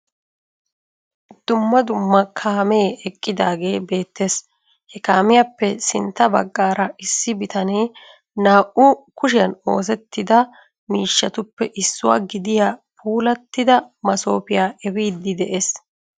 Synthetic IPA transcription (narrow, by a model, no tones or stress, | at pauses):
d̪̥ʊmːɐd̪ʊmːɐkʰaːmeːɛkʼːɪd̪aːɡe̞ːbe̞ːt̪ːe̞ːs | hɛkaːmɪjapːɛsɪnt̪ːɐbɐ̰ɡːaːɾɐɪsːɪbɪt̪ʰɐneː | naːʔʊkʊʃɪjɐno̞ːs̬ɛt̪ːɪd̪ɐ | miːʃːɐt̪ʊpːɛʔɪsːʊwa̰ːɡɪd̪ɪjaːpʰuːlɐt̪ːɪd̪ɐmɐso̞ːpɪjaːʔɛbiːd̪ːɪd̪ɛʔeːs